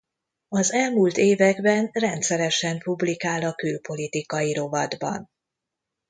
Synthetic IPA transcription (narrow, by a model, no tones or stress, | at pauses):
ɒzɛlmult̪eːvɛɡbɛnrɛnt̪sɛɾɛʃɛmpublikaːlɒkylpo̞lit̪ikɒjiɾo̞vɒd̪bɒ̰n